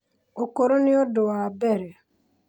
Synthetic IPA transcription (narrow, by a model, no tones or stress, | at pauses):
okoɾonɪɔdʊwabɛɾɛ